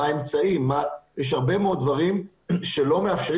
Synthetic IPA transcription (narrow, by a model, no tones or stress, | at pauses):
aemt͡saimːajɛʃ̬haʁbe̞meo̞d̪̚d̪vaʁim | ʃe̞lo̞me̞afʃeʁ